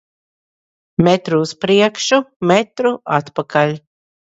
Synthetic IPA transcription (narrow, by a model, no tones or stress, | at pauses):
mɛt̪ɾuːspɾiɛkʃumɛt̪ɾuʔat̪pakalʲ